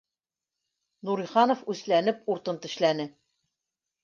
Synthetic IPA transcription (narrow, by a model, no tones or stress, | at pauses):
nuɾiχɑnŏfʉslænɘp̚uɾt̪ɤnt̪ɵ̆ʃlænɘ